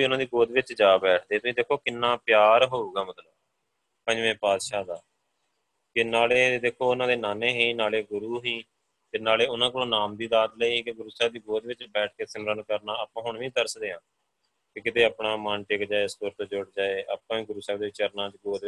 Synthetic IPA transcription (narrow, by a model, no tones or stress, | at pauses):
iːʊnãːd̪iːɡoːd̪ʋɪt͡ʃd͡ʒaːbɛːʈʰd̪eːt̪ʊsĩːd̪eːkʰːoːkɪnːaːpjaːɾɦoːuːɡaːmət̪ləb | kə̃d͡ʒʋɛ̃ːpaːd̪ʃaːd̪aː | kɪnaːleːd̪eːkʰːoːʊnãːd̪eːnaːneːɦiːnaːleːɡʊɾuːɦiː | t̪eːnaːleːʊnãːk̬ʊlõːnaːmd̪iːd̪aːd̪ləiːkɪɡʊɾuːsɛːbd̪iːɡoːd̪ʋɪt͡ʃbɛːʈ̚ʰkeːsəmɾənkəɾnaːaːpãːɦʊɳʋĩːd̪əɾsd̪eːɦãː | kɪkɪt̪eːaːpɳaːmanʈɪkd͡ʒaːeːst̪ʊɾt̪õːd͡ʒʊɽd͡ʒaːeːʔaːpãːĩːɡʊɾuːsɛːbd̪eːʋɪt͡ʃəɾnãːd͡ʒiɡoːd̪